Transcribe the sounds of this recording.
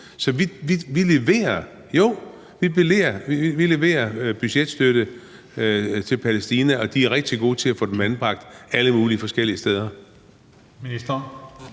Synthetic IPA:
sɒ̽ʋiʋiʋile̝ʋe̝̰ːɐ | jo | ʋib̥ile̝̰ːɐiiʋile̝ʋe̝̰ːɐb̥yɕed̥sd̥øɾ̥ə | t͡sʰe̝lpʰælesd̥iːnæʔɒ̽d̥iæɐʁɛɡ̥̚d̥iɡ̥o̝̰ːt͡sʰe̝læfɔ̽ːd̥emænb̥ʁɑ̈ɡ̥̚d̥æləmuːliəfɒ̽sɡ̥el̰iəsd̥eð̞ˠɐ | minisd̥ɐ

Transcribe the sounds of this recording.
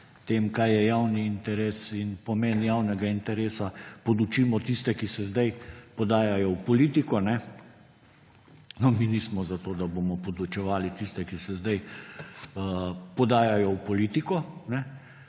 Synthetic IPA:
t̪eːmkajjɛjawniːnt̪ɛɾeːsinpɔmeːnjaːwnɛɡaint̪ɛɾeːsapɔd̪ut͡ʃiːmɔt̪ist̪ɛkisɛzd̪ajpɔd̪aːjajɔwpɔliːt̪ikɔnɛ | nɔminismɔzat̪oːd̪abomɔpɔd̪ut͡ʃɛʋaːlit̪ist̪ɛkisɛzd̪aj | əpɔd̪aːjajɔwpɔliːt̪ikɔnɛ

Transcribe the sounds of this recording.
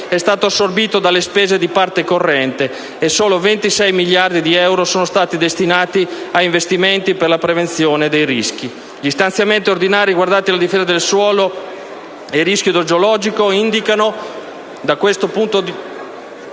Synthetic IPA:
ɛst̪aːt̪oasːorbiːt̪od̪alːespeːzed̪ipart̪ekorːɛnt̪eː | soːlovent̪isɛjmiʎjːard̪id̪iɛwɾosoːnost̪aːt̪id̪est̪inaːt̪iaiɱvest̪iment̪iperlapɾevent̪sjoːned̪ejrisk̟i | ʎist̪ant̪sjament̪iord̪inaːɾiɡward̪at̪ilad̪ifeːzad̪elswɔːlo | iriskjod̪od͡ʒolɔːd͡ʒikoind̪ikano | d̪akwest̪opunt̪od̪i

